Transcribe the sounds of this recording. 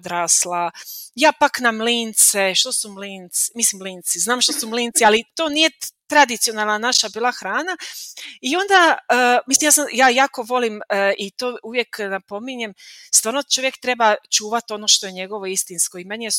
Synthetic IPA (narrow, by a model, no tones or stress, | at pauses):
d̪ɾaslˠajaːpaknamlint̪seʃt̪o̞sumlint̪smislimliːnt̪siznaːmʃt̪osumliːnt̪sialit̪o̞ːnije̞t̪ɾad̪it̪sijo̞nalˠnanaʃabiːlˠaxɾaːnaio̞nd̪aəːmislimjaːsamjaːjaːko̞ʋo̞limit̪oːuʋje̞knapo̞miɲe̞mst̪ʋaːɾnot͡ʃo̞ʋje̞kt̪ɾe̞bat͡ʃuːʋat̪o̞no̞ːʃt̪o̞jeɲe̞ɡo̞ʋo̞ist̪insko̞imenie